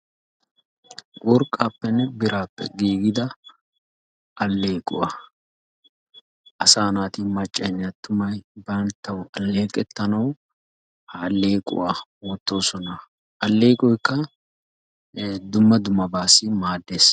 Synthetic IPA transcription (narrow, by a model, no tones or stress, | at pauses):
wɔɾkʼːaːpːɛnːɛbɪɾaːpːɛ̰ɡiːɡɪd̪ɐ | ʔɐlːe̞ːkʼʊ̰waː | ʔɐsaːnaːt̪imɐt͡ʃʼːɐnɪɐt̪ːʊmɐjbɐnt̪ːɐwɐlːe̞ːkʼɛt̪ːɐnɐw | haːlːe̞ːkʼʊ̰waːwɔt̪ːo̞ːsɔnɐ | ʔɐlːeːkʼɔjkːɐ | d̪ʊmːɐd̪ʊmːɐbaːsɪmaːd̪ːe̞ːs